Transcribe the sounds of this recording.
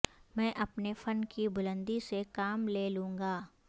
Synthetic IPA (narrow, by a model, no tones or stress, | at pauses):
mɛ̃ːʔɐpnefənkibʊlə̃nd̪isekaːmleːlũːŋɡaː